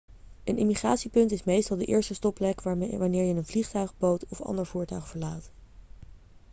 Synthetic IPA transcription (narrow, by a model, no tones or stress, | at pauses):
ʔənɪmiχraːtsipɵntɪsmejstɑlˠdəʔɪ̰ːɹstəstɔplɛkʋaːɹnɪːɹjəɪnənvliχtœɥχbowtɔfɑ̰ndəɹv̥uːɹtœɥχvəɹlaːt